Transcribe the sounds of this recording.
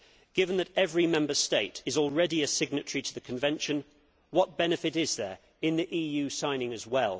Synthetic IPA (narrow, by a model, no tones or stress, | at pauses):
ɡ̥ɪvə̃nðəɾɛvɹimɛ̃mbəsteɪtɪzɔlˠɹɛdiɨsɪɡ̚nɨt͡ʃɹ̥itʰəðɨkʰə̃ɱvɛ̃nʃə̃n | wɒt̚b̥ɛnɨfɪɾɪzðə˞ | ɪ̃nðiʔiːjʉːsãɪ̃nɪ̃ŋəzwɛlˠ